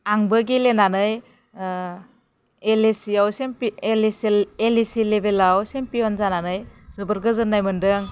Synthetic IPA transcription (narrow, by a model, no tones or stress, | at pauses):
aŋbɯɡilenanɯj | elesiawsemlselisilebelawsempiɔnzananɯjzɯbəɾɡɯzɯnːajmɯndɯŋ